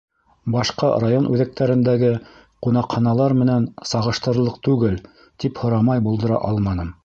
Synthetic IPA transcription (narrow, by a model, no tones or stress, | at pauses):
bɑʃqɑ̰rajonʔʉðæk̚t̪æɾɘ̆nd̪æɡɘ | qunɑqχɑnɑlˠɑɾmɘ̆nænsɑʁɤ̆ʃt̪ɤ̆ɾlˠɤq̚t̪ʉɡɘl | t̪iphŏɾɑmɑjbulˠd̪ɤ̆ɾɑ̰ʔɑlˠmɑnɤm